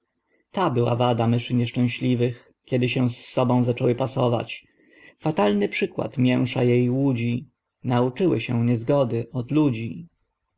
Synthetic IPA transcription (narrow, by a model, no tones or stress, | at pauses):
t̪abɘwa̰vad̪amɘʂɘɲɛʂt͡ʂɛ̃w̃ɕlʲivɘx | kʲɛd̪ɘɕɛw̃sːɔbɔ̃w̃zat͡ʂɔwɘpasɔva̰t͡ɕ | fat̪alnɘpʂɘkwa̰t̪mʲjɛ̃w̃ʂa̰jejwud͡ʑi | naut͡ʂɘwɘ̰ɕɛ̃ɲɛzɡɔd̪ɘɔd̪lud͡ʑi